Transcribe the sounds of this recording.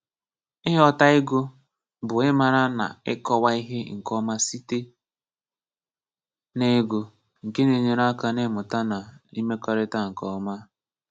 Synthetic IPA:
ɪ˦ɦɔ˦ta˦ɪ˦ɡʊ˦ | bʊ˨ɪ˦ma˨ɾa˦na̰˨ɪ̰˦kɔ˦wa˦i˦ɦe˦ŋ̩˨kɔ˦ma˦si˦te˦ | ne˦ɡʊ˨ | ŋ̩˨ke˦ne˨ɲe˨ɾa˦ka˦nɪ˦mʊ˨ta˦na˨i˦me˦kɔ˨ɾɪ˦ta˦ŋ̩˨kɔ˦ma˦

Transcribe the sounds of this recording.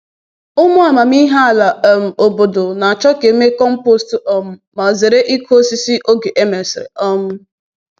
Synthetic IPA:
ʊ˦mʊ˦a˨ma˨m˦i˦ɦa˦a˨la˨m̩˨o˨bo˨do˨na˨a˨t͡ʃɔ˦ke˨˦me˦kɔ˦m̩˦po˦stɔ˦mʊ˦ma˨ze˨ɾe˦ʔi˦kʰo˦si˦si˦ʔo˦ɡe˨ʔe˦me˨sɾḛ˨ɔ˦mʊ˦

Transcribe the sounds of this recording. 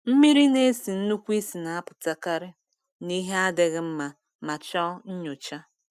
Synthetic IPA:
m̩˦mi˦ɾi˦ne˦si˨n̩˦nu˦kʷi˦si˨na˨a˦pʊ̥˨ta˦ka˦ɾɪ˦ | ni˦ɦe˦a˦dɪ˨ɣɪ˦m̩˦ma˨ | ma˨t͡ʃɔ˦ɲ̩˦ɲo˨t͡ʃa˦

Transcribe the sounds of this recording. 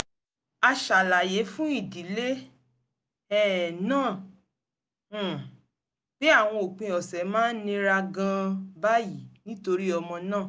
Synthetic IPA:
a˧ʃa˨la˨je˨˦fũ˦i˦˨di˨˦le˦ | ɛ˦˨nãː˦˨ | b̥e˦a˦˨w̃ɔ̃˧o˨k͡pẽ˧ɔ˨sɛ˨˦mãː˦nĩ˧ɾa˧ɡã˧ba˦ji˨nĩ˦to˧ɾi˦ɔ˧mɔ̃˧nãː˦˨

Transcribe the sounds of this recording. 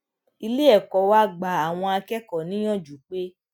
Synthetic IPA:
i˧le˦ɛ˦˨kɔ˨wa˦ɡ͡ba˨a˨w̃ɔ̃˧a˧kɛ˦kɔ˨nĩ˨˦j̃ɔ̃˦˨d͡ʒu˨k͡pe˦

